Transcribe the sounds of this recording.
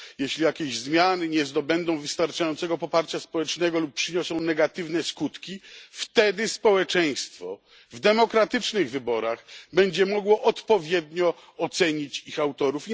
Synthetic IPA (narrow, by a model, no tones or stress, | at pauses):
jɛɕlʲijakʲeʑzmʲjanɘɲɛzd̪ɔbɛnd̪ɔ̃w̃vɘst̪aɾt͡ʂajɔnt̪sɛɡɔpɔpaɾt͡ɕaspɔwɛt͡ʂnɛɡɔlup̚pːʂɘɲɔsɔ̃w̃nɛɡat̪ɘvn̪ɛskut̪kʲift̪ɛd̪ɘspɔwɛt͡ʂɛj̃st̪fɔ̰ | vd̪ɛmɔkɾat̪ɘt͡ʂnɘɣvɘbɔɾaɣbɛɲd͡ʑɛmɔɡwɔʔɔt̪pɔvʲjɛd̪ɲɔ | ɔt̪sɛɲit͡ɕixawt̪ɔɾuf